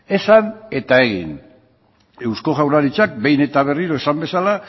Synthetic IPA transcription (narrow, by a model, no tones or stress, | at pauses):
e̞sane̞t̪ae̞ɣḭn | e̞wsko̞ɣawɾaɾit͡ʃak̚be̞jne̞t̪aβ̞e̞riɾo̞esambe̞sala